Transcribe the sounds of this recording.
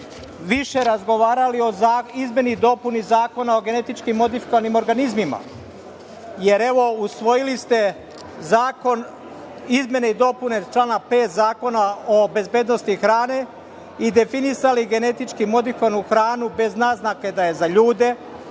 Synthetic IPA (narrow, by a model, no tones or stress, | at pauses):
ʋiʃe̞ɾazɡo̞ʋaːɾalio̞zaizmʲje̞nid̪o̞punizaːko̞nao̞ɡe̞ne̞t̪it͡ʃkimːo̞d̪ifi̥koanimo̞ɾɡanizmima̰ | je̞ɾe̞ʋo̞usʋo̞jilist̪e̞ | zaːko̞n | izmje̞neid̪o̞pune̞t͡ʃlˠaːnape̞ːt̪zaːko̞naobe̞zbeːd̪no̞st̪ixɾaːne̞ | id̪e̞finisaliɡe̞ne̞t̪it͡ʃkimo̞d̪ikonuxɾaːnube̞znaznake̞d̪aje̞zaʎuːd̪e̞